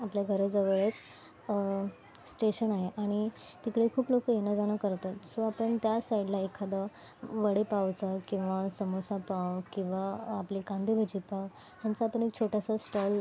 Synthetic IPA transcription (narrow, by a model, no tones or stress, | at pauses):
apljaɡʱəɾed͡zəʋəɭet͡s | sʈeɕənaɦeʔaɽ̃i | t̪ikɽekʰuːplokəjenad͡zañakəɾt̪at̪soapəɳt̪jasaiɖlaekʰad̪a | ʋəɽepaʋt͡səkĩw̃ʋasəmosapawkĩw̃ʋaːpliːkand̪ʱibʱəd͡ʑiːpaw | t̪jant͡saapəɳ̃ek̚t͡ɕʰoʈasasʈɔl